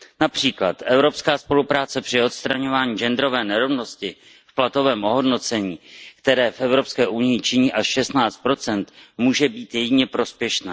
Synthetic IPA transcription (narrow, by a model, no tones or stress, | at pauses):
napr̝̥iːklat̪ʔɛvɾo̞pskaːspo̞lupɾaːt͡sɛpr̝̥ɪo̞t̪st̪ɾaɲo̞vaːɲiːʒɛnd̪ɾo̞vɛːnɛɾo̞vno̞scɪ | fplat̪o̞vɛːmʔo̞ɦo̞dno̞t͡sɛɲiːkt̪ɛɾɛːfʔɛvɾo̞pskɛːʔunɪjɪt͡ʃɪɲiːʔaʃʃɛst̪naːt͡st̪̚pɾo̞t͡sɛnt̪muːʒɛbiːt̪jɛɟɪɲɛpɾo̞spjɛʃnaː